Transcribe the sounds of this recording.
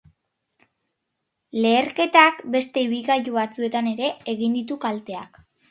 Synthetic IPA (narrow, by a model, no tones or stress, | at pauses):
le̞ːɾke̞t̪akbe̞st̪e̞iβilɣajuβat͡sue̞t̪ane̞ɾe̞ːɣind̪it̪ukalt̪e̞ak